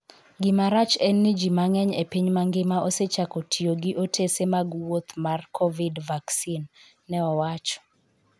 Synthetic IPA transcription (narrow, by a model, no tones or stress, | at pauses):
ɡɪmaɾat͡ʃɛnːid͡ʒimaŋɛɲepiɲmaŋɡɪmaʔoset͡ʃakotʰioɡɪʔotʰesemaɡwot̪markʰɔvidvaksinː | ɛɔwat͡ʃɔ̥